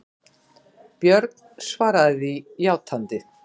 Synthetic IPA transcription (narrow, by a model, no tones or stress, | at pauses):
pjœɾt̪n̥svaːɾaðɪðijaːwt̪ʰant̪ɪ